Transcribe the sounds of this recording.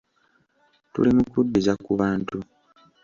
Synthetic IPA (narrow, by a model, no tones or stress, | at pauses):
tṵlimukudːizakuβaːntu